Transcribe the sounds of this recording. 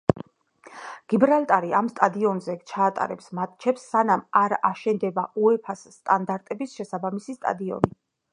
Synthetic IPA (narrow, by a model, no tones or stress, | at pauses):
ɡ̥ibɾalt̪ʼaɾiamst̪ʼad̪iɔnzɛt͡ʃʰaːt̪ʼa̰ɾɛpsmat̪̚ʰʼt͡ʃʰɛpsːanamaɾaʃɛnd̪ɛbauɛpʰasːt̪ʼand̪aɾt̪ʼɛbisʃɛsabamisist̪ʼa̰d̪iɔ̰ni